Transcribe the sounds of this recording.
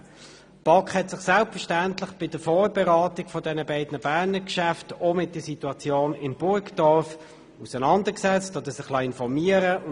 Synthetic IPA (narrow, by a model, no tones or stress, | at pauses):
b̥ɑkχhɛtsɪχsælpfəʃtæntlɪχb̥ɪd̥əfɔːɾbɛʁɑːtɪɡfɔdɛnəbaɪdnəbæːʁnəkʃæftomɪt̚d̥əsituɑt͡sjoːnɪnbʊɾkd̥ɔɾf | usənɑndəksɛt͡stodəsɪχlɑɪnfɔɾmiəɾəʊ